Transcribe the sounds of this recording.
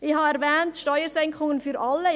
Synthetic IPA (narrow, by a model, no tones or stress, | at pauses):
ɪhɑːɛɾvɛːntʃtɔʏəsɛŋkχʊŋənfyɾʔɑlːə